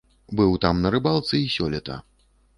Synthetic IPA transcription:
bɨwt̪amnɐɾɨbalˠt̪sɨisʲɔlʲɛt̪ɐ̰

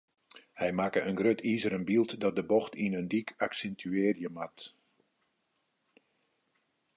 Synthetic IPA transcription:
hɛjmaːkəʔənɡrøtʰizəɾənbilˠtdɔt̚dəbɔxtinəndikaksɛntʰyeːrjəmat

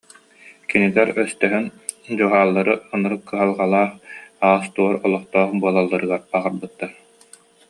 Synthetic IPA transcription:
kinilɛɾœst̪œɦynd͡ʑuɦaːlˠːaɾɯɯnɯɾɯkːɯɦalˠʁalˠaːχaːst̪uɔɾɔlˠɔχt̪ɔːχbuɐlˠalˠːaɾɯɡaɾbaʁɯɾbɯt̪ːaɾ

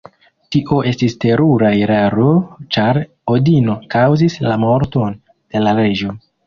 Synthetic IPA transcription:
tiʔo̞ʔe̞stiste̞ɾuɾajɾaɾo̞t͡ʃaɾ | odino̞kawzislamo̞ɾto̞n | d̥e̞laɾe̞d͡ʒo̞

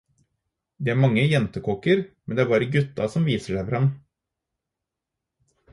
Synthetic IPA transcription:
d̪eːæːɾmɑŋːəjɛnt̪əkʰoːkəɾmɛnd̪ɛːæːɾbɑːɾəɡʉt̪ːɑ̰sɔmʋiːsəʂæɪfəɾhɑn

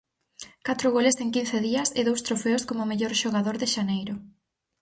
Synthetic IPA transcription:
kat̪ɾʊɣoleseŋkin̟θeðiɐsɪðowst̪ɾofeʊskomʊmeʎoɾʃoɣaðoɾðɪʃanejɾʊ

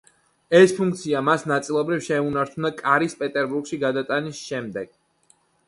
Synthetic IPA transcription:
ɛspʰuŋk̚t̪sʰiamasnat̪sʼilˠɔbɾifʃɛunaɾt͡ʃʰund̪akʼaɾispʼɛt̪ʼɛɾbuɾɡʃiɡad̪at̪ʼanisʃɛmd̪ɛɡ̥

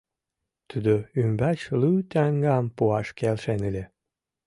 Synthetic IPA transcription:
t̪ud̪oymbæt͡ɕlyt̪æŋɡɑmpuɑʃkelʃenelʲe

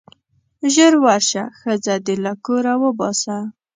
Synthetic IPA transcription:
ʒəɾwaɾʃaxəd͡zad̪əlakoɾawəbɑsa

